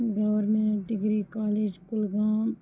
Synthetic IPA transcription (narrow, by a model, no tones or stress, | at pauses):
ɡɐʋəɾmẽɖɪɡɾikaːleːd͡ʒkʊlɡaːm